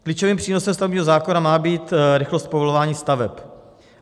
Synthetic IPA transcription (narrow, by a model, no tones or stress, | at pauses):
kliːt͡ʃoviːmpr̝̥iːno̞sɛmst̪avɛbɲiːɦozaːkonamaːbiːt̪ɾɪxlost̪povolovaːɲiːst̪avɛp